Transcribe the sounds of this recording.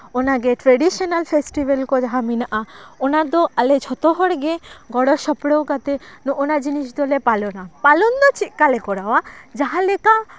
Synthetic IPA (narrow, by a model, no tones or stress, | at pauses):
onaɡeʈɾeɖiʃɔnalfʰesʈibelkɔd͡ʒaɦaminaʔaonaɾd̪ɔalet͡ʃʰɔt̪ɔɦɔɽɡeɡɔɽɔɾʃɔpɽowkat̪enuʔonad͡ʒiniʃd̪ɔlepalɔnapalɔnd̪ɔt͡ʃiʔkalekɔɾawad͡ʒaɦaleka